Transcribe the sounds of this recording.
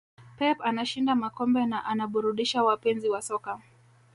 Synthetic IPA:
pɛpanaʃindamakɔmbɛnaʔanaɓuɾuɗiʃawapɛnziwasɔka

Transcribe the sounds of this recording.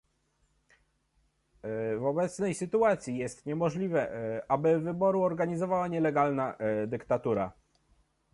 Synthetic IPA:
vɔbɛt̪snɛjsɘt̪uat̪sʲijɛst̪ɲɛmɔʐlʲivɛabɘvɘbɔɾuɔɾɡaɲizɔvawaɲɛlɛɡalnad̪ɘkt̪at̪uɾa̰

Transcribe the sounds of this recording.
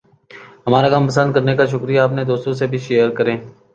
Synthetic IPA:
ɦɐmaːɾakãːmpəsə̃nd̪kəɾnekaʃ̬ʊkɾijaːpnẽd̪oːst̪õs̬ebʱiʃeəɾkəɾẽː

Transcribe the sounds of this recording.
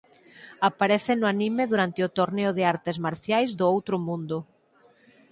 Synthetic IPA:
apaɾeθɪnʊanimeðuɾant̪eʊt̪oɾneʊðɪaɾt̪ɪzmaɾθjajzðʊowt̪ɾʊmũnd̪ʊ

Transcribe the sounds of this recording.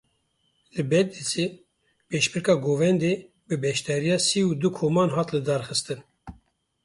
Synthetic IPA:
lɨbɛtd̪ise | peʃbɨɾkɑːɡoːvɛnd̪eː | bɨbɛʃt̪ɛɾijɑːsiːud̪ukʰoːmɑːnɦɑːt̪lɨd̪ɑɾxɨst̪ɨn

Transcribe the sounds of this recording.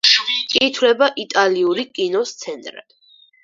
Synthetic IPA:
kʼiːt̪ʰwlɛbaʔit̪ʼaliuɾikʼinɔst̪sʰɛnt̪ʼɾa̰̥

